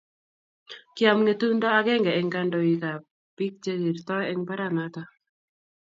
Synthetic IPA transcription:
kɪa˨mŋe˨tu˦ndɔ˦a˦ɡɛ˦ŋɡɛ˨ɛŋka˦ndo˨i˨ka˨ | pi˦k̚t͡ʃe˦ɡi˨ɾt̪ɔ˦ɛ˦ŋpa˦ɾa˨na˦ta˦

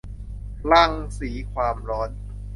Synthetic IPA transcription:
la˥˩ŋsiː˩˦kʰwaː˧mɾɔː˦˥n

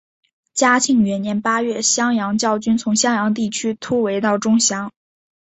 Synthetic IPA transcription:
t͡ɕja˥t͡ɕʰi˥˩ŋɥɛ˧˥njɛ˧˥npa˥ɥɛ˥˩ɕjɑ˥ŋjɑ˧˥ŋt͡ɕjɑ˥˩ʊt͡ɕy˥nt͡sʰʊ˧˥ŋɕjɑ˥ŋjɑ˧˥ŋt̪̬i˥˩t͡ɕʰy˥t̪ʰu˥we˧˥ɪt̪ɑ˥˩ʊʈ͡ʂʊ˥ŋɕjɑ˧˥ŋ

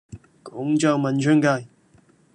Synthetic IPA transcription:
kɔ˨˥ŋt͡ɕa˧˩wmɐ˨nt͡ʃʰø˥ŋkaː˧˩j

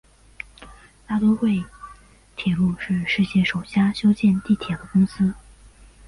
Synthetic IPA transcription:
t̪a˥˩t̪o˥xwe˥˩ɪ | t̪ʰjɛ˨˩lu˥˧ʂɻ̩˥˧ʂɻ̩˥˧ɕjɛ˥˩ʂo˨˩ʊɕja˥ɕjo˥ʊt͡ɕjɛ˥˧nt̪i˥˩t̪ʰjɛ˨˩d̪ə˦kʊ˥ŋsɹ̩˥

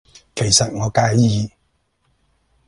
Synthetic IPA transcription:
kʰe˨˩jsɐ˨t̚ŋɔː˨˧kaː˧jjiː˨˧

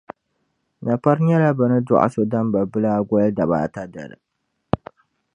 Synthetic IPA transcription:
na˨pa˦ɾɲɛ˦la˦bɨ˨nɨ˦dʊ̰˦ʔa̰˨so˨da˦mba˨bɨ˦laː˦ɡʷɔ˦lda˨βa̰ː˨ta˦da̰˨ɾɨ̰˨

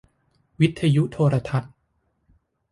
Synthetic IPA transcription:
wi˦˥t̪ʰːa˧ju˦˥ʔt̪ʰoː˧ɾa˧t̪ʰa˦˥t̪̚

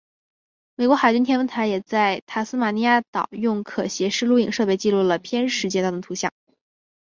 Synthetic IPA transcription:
me˨˩ɪkwɔ˧˥xa˨˩ɪt͡ɕy˥nt̪ʰjɛ˥nwə˥nt̪ʰa˧˥jɛ˨˩t͡sa˥˩ɪt̪ʰa˥˩sɹ̩˥ma˨˩ni˧˥ja˥˩t̪ɑ˨˩˦ʊjʊ˥˩ŋkʰɤ˨˩ɕjɛ˧˥ʂɻ̩˥lu˥ḭ˨˩ŋʂɤ˥˧pe˥˧ɪt͡ɕi˥˧lu˥˩lə˩pʰjɛ˥nʂɻ̩˧˥t͡ɕjɛ˧˥t̪ɑ˥˩˧t̪ʰu˧˥ɕjɑ̰˥˩˦ŋ

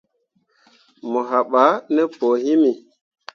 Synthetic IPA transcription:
mo˨ɦa˨ɓa˨˦nɛ˦po˨hi˦mi˨

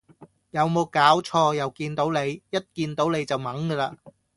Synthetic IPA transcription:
jɐ˨˧wmo˨˧wkaː˨˥wt͡ʃʰɔː˧jɐ˨wkiː˧nt̪o˨˥wne˨˧jjɐ˥t̚kiː˧nt̪o˨˥wne˨˧jt͡sɐ˨wmɐ˨˥ŋɡəː˧laː˧

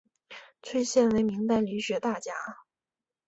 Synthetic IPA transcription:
t͡sʰwe˥˧ɪɕjɛ˥˩nwe˧˥ɪmi˧˥ŋt̪a˥˩nly˧˥ɕɥɛ˧˥t̪a˥˩t͡ɕja˥

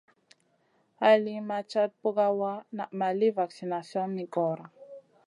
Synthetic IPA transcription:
ha˨li˦ma˨t͡ʃa˦t̚po˦ka˦wa˦na˨ma˨li˦va˨ksi˨na˨sjɔ˦nːi˨kɔ˨ɾa˨

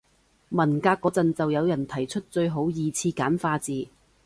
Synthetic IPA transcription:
mɐ˨˩nkaː˧kːɔː˨˥t͡sɐ˨nt͡sɐ˨wjɐ˨˧wjɐ˨˩nt̪ʰɐ˨˩jt͡ʃʰɵ˥t̚t͡ʃɵ˧ɥɦo˨˥wjiː˨t͡sʰiː˧kaː˨˥nfaː˧t͡siː˨˧

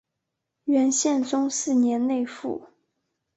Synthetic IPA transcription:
ɥɛ˧˥nɕjɛ˥˩nʈ͡ʂʊ˥ŋsɹ̩˥˩njɛ˧˥nne˥˧ɪfṵ˥˩

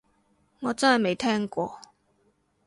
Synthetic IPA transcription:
ŋɔː˨˧t͡sɐ˥nhɐ˨jme˨˩jt̪ʰɛː˥ŋkʷɔː˧

